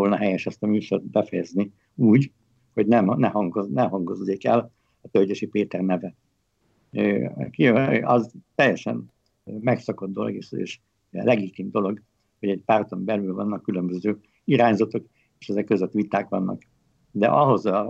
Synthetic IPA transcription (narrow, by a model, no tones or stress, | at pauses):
olnɒɦɛjɛʃɛst̪ɒmyːʃot̪̚bɛfɛjɛzni | uːɟ | ho̞ɟnɛmnɛhɒŋɡonɛɦɒŋɡo̞zːeːkɛ̰l | ɒt̪ølɟeʃipeːt̪ɛrnɛvɛ | kiɒzt̪ɛjːɛʃɛ̰n | mɛksɒko̞d̪̚d̪o̞lo̞̰ɡeʃḛːʃ | lɛɡit̪iːmd̪olo̞ɡ | ho̞ɟɛɟpaːrt̪o̞mbɛlylvɒnːɒkːylømbøzøː | iɾaːɲzɒt̪o̞k | eːʃɛzɛkːøzøt̪ːʋit̪aːkʋɒnːʔɒ̰k | d̪ɛ̰ʔɒɦo̞zɒ